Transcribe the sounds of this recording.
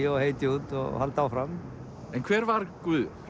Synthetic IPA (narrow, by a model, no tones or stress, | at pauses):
ɔheːjt̪ɪuːt̪ɔ̰ɣhalt̪aːwfɾam | ɛnkʰvɛːɾvaɾkvʏː